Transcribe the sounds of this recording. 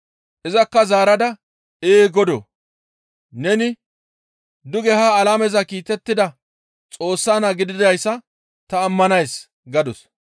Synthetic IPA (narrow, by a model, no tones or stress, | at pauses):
ʔɛzɐkːɐzaːɾɐd̪ɐ | eːɡɔd̪o̰ | nɛnɪ | d̪ʊɡɛhaːlaːmɛzɐkiːt̪ɛt̪ːɪd̪ɐ | t͡sʼo̞ːsːaːnɐɡɪd̪ɪd̪ɐjsːɐ | t̪ɐːmːɐnɐjs | ɡɐd̪ɔs